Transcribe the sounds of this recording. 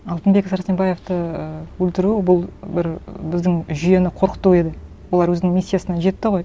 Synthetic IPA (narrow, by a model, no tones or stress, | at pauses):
ɑlˠt̪ənbe̞kʲfsɑɾst̪embɑjeft̪əəwɵlt̪ɪɾubʊlˠbɪɾbɪzd̪ɪŋʒʏje̞nɪqʰo̞ɾqə̥t̪ːue̞d̪ɪ | wolˠɑɾwɵzɪnɪŋmʲisʲːijasənɑʒe̞t̪ːɪʁo̞j